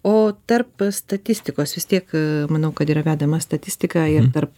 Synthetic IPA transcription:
oːt̪ɐrpst̪ɐt̪ʲɪsʲt̪ʲɪkoːsʋʲɪst̪ʲiɛkmɐnɐʊkɐt̪iːɾɐʋʲæːd̪ɐmɐst̪ɐt̪ʲɪsʲt̪ʲɪkɑːɪɾt̪ɐrp̚

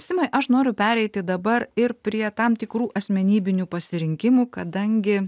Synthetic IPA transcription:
sʲɪmɐɪʔɐʃnoːɾʲʊpʲæːɾʲɛɪt̪ʲɪd̪ɐbɐɾɪɾpʲɾʲiɛt̪ɑmt̪ʲɪkɾuːʔɐsʲmʲɛnʲiːbʲɪnʲuːpɐsʲɪɾʲɪŋʲkʲɪmuːkɐd̪ɐŋʲɡʲɪ

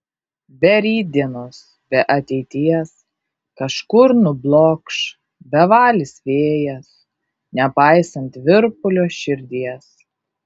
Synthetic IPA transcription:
bʲɛɾʲiːd̪ʲiɛnoːs | bʲɛʔɐt̪ʲɛɪt̪ʲiɛs | kɐʃkʊɾnʊblˠoːkʃ | bʲɛʋɑːlʲɪsʋʲeːjɛs | nʲɛpɑɪsɐnt̪ʋʲɪɾpʊlʲoːʃʲɪɾʲd̪ʲiɛs

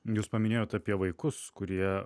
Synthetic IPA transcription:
juːspɐmʲɪnʲeːjoːt̪ɐpʲiɛʋɐɪkʊskʊɾʲiɛ

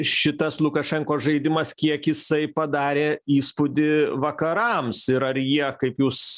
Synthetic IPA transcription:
ʃʲɪt̪ɐslˠʊkɐʃʲɛŋkoːʒɐɪd̪ʲɪmɐskʲiɛkjɪsɐɪpɐd̪ɑːɾʲeːiːspʊd̪ʲɪʋɐkɐɾɐmsɪɾɐrjiɛkɐɪpjuːs

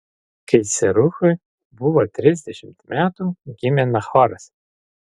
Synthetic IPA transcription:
kɐɪsʲɛɾʊxʊj | bʊʋɔt̪ʲɾʲɪzʲd̪ʲɛʃʲɪmt̪mʲæt̪uɡʲɪmʲɛnɐxɔɾɐs

